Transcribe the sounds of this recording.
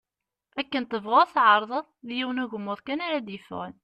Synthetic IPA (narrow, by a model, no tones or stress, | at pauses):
ækːənt̪əvʁʊθʕɑɾˤðˤəðˤðjiwənuʝəmːʊðˤkænaɾad̪jəfʁən